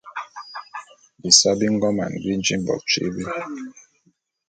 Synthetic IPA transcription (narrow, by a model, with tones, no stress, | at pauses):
bi˨sa˦bi˦ŋ̩˦ɡɔ˦ma̰˨n˨ɡi˦n˦d͡ʒi˦m˦bɔ̰˨k̚t͡ʃḛ˦bi˦